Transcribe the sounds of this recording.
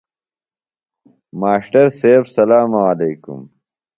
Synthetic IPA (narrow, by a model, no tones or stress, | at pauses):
maːʂʈɐɾseːbsɐlaːmaaleːkṵm